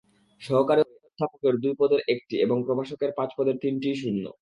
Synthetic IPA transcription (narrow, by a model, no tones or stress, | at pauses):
ʃɔɦokaɾioodd̪ʰʱapokeɾd̪ujpɔd̪eɾʔek̚ʈieboŋpɾobaʃokeɾpãt͡ɕpɔd̪eɾt̪inʈiʃ̬unːo̰